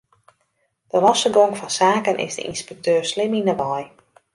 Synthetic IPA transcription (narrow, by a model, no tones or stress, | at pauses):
d̥əlɔsəɡɔŋfɔnsaːkənʔɪ̰zdə̰ḭnspɛk̚tʰøːslɪminəʋɔj